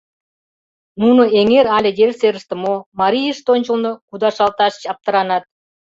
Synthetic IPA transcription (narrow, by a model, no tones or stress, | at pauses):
nunŏeŋeɾɑlʲed̪erʲseɾəʃt̪ə̆momɑɾʲijəʃt̪onʲt͡ɕəlnokud̪ɑʃɑlt̪ɑʃə̥t͡ɕɑp̚t̪ə̆ɾɑnɑt̪̚